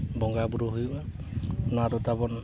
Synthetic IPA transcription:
bɔŋɡabuɾuɦujba | nadɔtabɔn

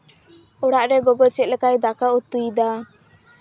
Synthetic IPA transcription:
ɔɽaʔɾɛɡɔɡɔt͡ʃɛt̪̚lɛkajd̪akaut̪ːujd̪a

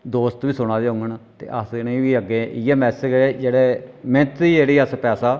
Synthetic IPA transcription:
d̪oːst̪ʋiːsʊɽ̃aːd̪eːʊ̃ŋɡənt̪ḛːʔəsnəĩːʋiːəɡeːʔiːɛːmɛːsɪd͡ʒeːd͡ʒeːɽeːmɛ̃t̪iːeːɽiːəspɛːsaː

